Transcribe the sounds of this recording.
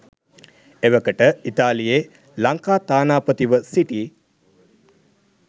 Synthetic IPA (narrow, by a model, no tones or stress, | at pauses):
eʋəkəʈəit̪aːlijeː | laŋkaːt̪aːnaːpət̪iʋəsiʈiː